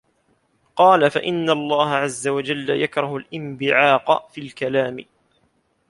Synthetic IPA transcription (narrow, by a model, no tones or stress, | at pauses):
qɑːlafaʔɪnːalˤːɑːhaʕazːawad͡ʒalːajakɾˤɑhʊlʔɪmbɪʕɑːqfiːlkalaːmɪ